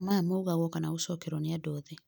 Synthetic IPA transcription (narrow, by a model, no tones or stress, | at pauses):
mamouɣaɣwɔkanausɔkeɾɔniadɔðe